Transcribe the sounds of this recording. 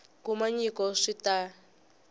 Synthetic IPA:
kumaɲikɔʂita

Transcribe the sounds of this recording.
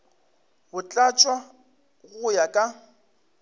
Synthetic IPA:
bʊt͡ɬʼat͡ʃʼwa | ɣʊjakʼa

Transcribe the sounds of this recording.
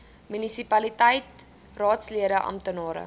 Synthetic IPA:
mynisipɐlitəjt̚ | rɑːtsliəɾəʔɐ̰mtənɑːɾə̰

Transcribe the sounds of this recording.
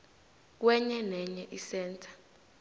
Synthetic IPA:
k̬wɛɲɛnɛɲɛʔisɛːntʰʼḁ

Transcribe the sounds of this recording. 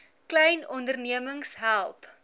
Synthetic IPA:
klɛjnɔndərniəməŋsɦælˠp

